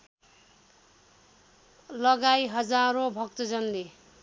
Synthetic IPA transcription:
lʌɡajɦʌd͡zaɾobʱʌk̚t̪ʌd͡zʌnle

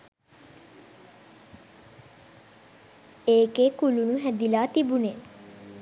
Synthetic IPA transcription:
eːkekulunuɦæd̪ilaːt̪ibune

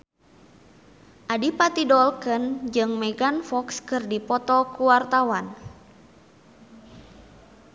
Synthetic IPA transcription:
ʔadipat̪idɔlkənd͡ʒɨŋmɛɡanfɔkskɨrdipɔt̪ɔkuwart̪awan

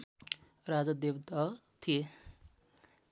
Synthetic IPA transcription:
rad͡zad̪ebt̪ʌt̪ʰije

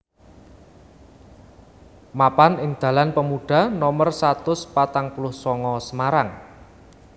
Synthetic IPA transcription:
mapanɪŋd̪̥ä̤lanpəmuɖ̥a̤nɔmərsat̪ʊspat̪aŋpulʊhsɔŋɔsəmaɾaŋ

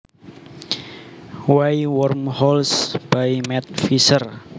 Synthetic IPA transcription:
waiwɔrmhɔlsb̥aimɛt̪̚fisər

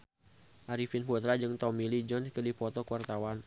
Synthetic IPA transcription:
ʔaɾifinfut̪ɾad͡ʒɨŋt̪ɔmilid͡ʒɔnskədipɔt̪ɔkəwart̪awan

